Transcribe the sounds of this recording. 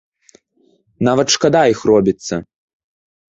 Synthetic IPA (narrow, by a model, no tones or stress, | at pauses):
navɐt̪ʂkad̪aixrɔbʲit̪sːɐ